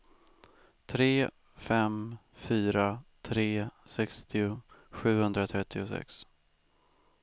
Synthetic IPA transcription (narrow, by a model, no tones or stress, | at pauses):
t̪ʰɾeː | fɛm | fyːɾat̪ʰɾeːsɛkst̪ʰɪʊɧʉ̟ːhɵnd̪ɾat̪ʰɾɛt̪ʰːɪʊsɛ̰ks